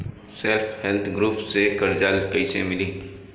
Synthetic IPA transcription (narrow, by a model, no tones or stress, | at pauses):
selfʰhɛlt̪ʰɡɾuːpsekɐɾd͡ʒalkəɪsḛmɪliː